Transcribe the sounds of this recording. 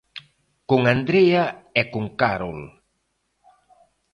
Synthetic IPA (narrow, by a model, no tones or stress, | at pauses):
kuŋand̪ɾeaɛkuŋkaɾol